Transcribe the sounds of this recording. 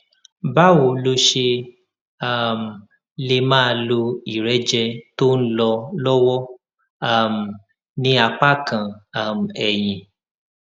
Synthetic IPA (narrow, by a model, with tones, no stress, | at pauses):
ba˦wo˨lo˧ʃe˧ | a˦˨m˨ | le˧mãː˦˧lo˧i˨ɾɛ˨˦d͡ʒɛ˧to˦n̩˦lɔ˧lɔ˦wɔ˦ | a˦˨m̩˨ | nĩ˧˦a˧k͡pa˦kã˨a˦˨m̩˨ɛ˨j̃ĩ˨